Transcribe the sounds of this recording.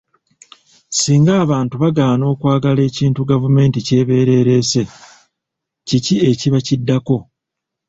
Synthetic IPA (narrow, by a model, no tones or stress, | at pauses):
siːŋɡaːβaːntuβaɡaːno̞ːkwaːɡale̞ːciːntuɡavume̞ːntice̞ːβe̞ːɾe̞ːɾe̞ːse̞ | cicie̞ciβacidːako̞